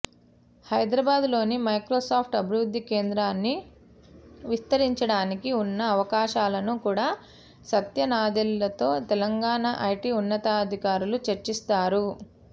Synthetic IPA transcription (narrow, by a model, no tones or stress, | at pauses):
hɐjd̪ɾɐbaːd̪lo̞ːnimɐjkɾoːsaːpʰʈɐbʱiɾud̪ʱːike̞ːnd̪ɾaːnːi | ʋist̪ɐɾiɲt͡ʃɐɽaːnikiunːɐːʋɐkaːʃaːlɐnukuːɽaː | sɐt̪jɐnaːd̪ilːɐt̪o̞ːt̪ɛlɐŋɡaːɳɐʔɐjʈiːunːɐt̪aɐd̪ʱikaːɾulut͡ʃɐɾt͡ʃist̪aːɾu